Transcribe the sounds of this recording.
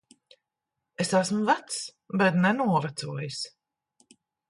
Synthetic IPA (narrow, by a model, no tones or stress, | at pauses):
esæsmvæt̪s | bɛt̪nɛnuɔvæt̪suɔjis